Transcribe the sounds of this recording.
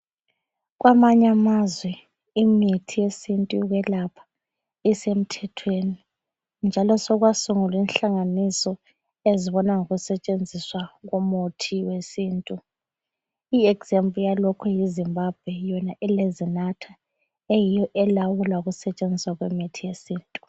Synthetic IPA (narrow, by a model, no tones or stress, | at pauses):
ɣwamaɲamazwɛ | imitʰijesintʼuɣɛlapʰḁ | isem̩tʰɛtʰweni | nd͡ʒʱalɔsɔɣwasuŋulinɬaŋanisɔ | eziβɔnaŋoɣusɛt͡ʃʼend͡zʱiswaɣumotʰiwesiːntʼu | iɛɡz̥empʼlujalɔkʰujizimbʱab̥̚ʱwɛjɔnaʔɛlezinatʰa | ejijɔʔɛlawulauɣusɛt͡ʃʼend͡zʱiswaɣwemitʰijesiːntʼu